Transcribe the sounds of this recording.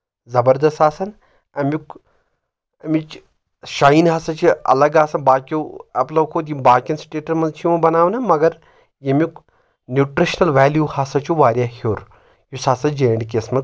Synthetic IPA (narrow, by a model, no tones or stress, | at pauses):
zɐbɐɾd̪ɐst̪aːsɐn | ɐmʲuk | ɐmit͡ʃ | ʃaːinɦaːsɐt͡ʃʰiɐ̰lɐɡaːsɐnbaːkʲjuɐplɐwkʰoːt̪imbaːkʲɐnsʈeːʈɐɾmɐnzt͡ʃʰimɐ̃bɐnaːʋnɐmɐɡɐɾ | jemuk | njuʈɾiʃnɐlʋɛːljuhasɐt͡ʃʰuʋaːɾjahʲoːɾ | jusaːsɐnd͡ʒeːɽik̬ʲesmɐ